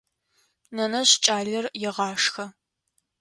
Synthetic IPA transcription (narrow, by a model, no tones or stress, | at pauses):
nɐnɐɕt͡ʃʼaːɮɐrjɪʁɑːʂxɐ